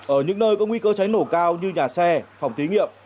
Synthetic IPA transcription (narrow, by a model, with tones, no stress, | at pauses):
ʔəː˧˩ɲɨ̰˧˥ŋnəː˧jkɔ˨˦ŋwi˧kəː˧t͡ɕa˨˦jno˧˩kaː˧wɲɨ˧ɲaː˨˩sɛ˧fa˨˩wŋ͡mt̪i˨˦ŋḭ˧˨əm